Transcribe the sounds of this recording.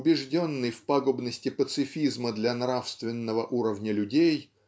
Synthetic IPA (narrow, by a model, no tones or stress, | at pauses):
ʊbʲɪʐdʲo̞nːɨjfpaɡʊbnəsʲtʲɪpət̪sɨfʲizməd̪lʲɐnɾafst̪vʲɪnːəvəʔuɾəvnʲəlʲʉdʲej